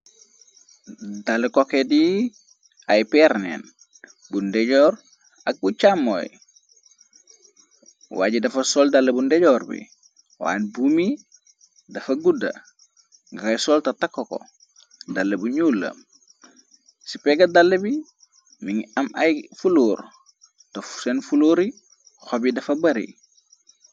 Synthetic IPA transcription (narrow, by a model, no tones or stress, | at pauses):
dalekokedi | ajpɛɾnḛn | bundeɟoɾ | ak̚but͡ʃamːo̰j | wa̰ːɟidɐfɐsoːldalːebundeɟoɾbḭ | wa̰nbumi | dɐfɐɡudɐ̰ | ŋɡakɐjsoltɐtakːoko̰ | dalːebuɲuːlːɐ̰m | sipeɡɐdalːebi | miŋɐmɐjfuluːɾ | tofsenfuluːɾi | xobidɐfɐbɐɾḭ